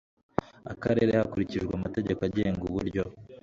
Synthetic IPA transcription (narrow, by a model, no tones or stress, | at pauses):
a̰kaɾe̞ːɾe̞hakuɾiciʒɡwamate̞ɟe̞koaɟe̞ːŋɡuβṵɾɟo̞